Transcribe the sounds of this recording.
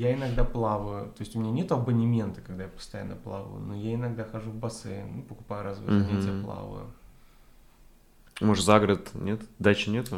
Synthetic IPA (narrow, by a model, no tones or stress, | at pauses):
jaɪnɐɡd̪aplˠavəjʊt̪o̞jɪsʲtʲʊmʲɪnʲanʲet̪ʊɐbənʲɪmʲe̞nt̪ə̥kɐɡ̚d̪ajapə̥st̪ɐja̰nːəplˠa̰və̰jʊ̰nojaɪnɐɡd̪axɐʐuvbɐsɛ̰mɨpəkʊ̥pajʊɾazvəjnʲetʲɪjəplˠa̰və̰jʊ̰ | moʂzaɡɾət̪nʲet̪d̪at͡ɕɪnʲet̪